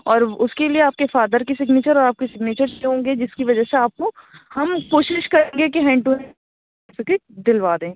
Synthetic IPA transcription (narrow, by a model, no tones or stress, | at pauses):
ɔːɾʊskelieaːp̚kefaːd̪əɾkisɪɡneːt͡ʃəɾɔːɾaːp̚kisɪɡneːt͡ʃəɾt͡ʃeɦõːŋɡed͡ʒɪskiʋɐd͡ʒɛseaːp̚kohɐmkoːʃɪʃkɐɾẽːŋɡek̬iɦɛ̃ːɳʈũːne | sɪkid̪ɪlʋaːd̪ẽː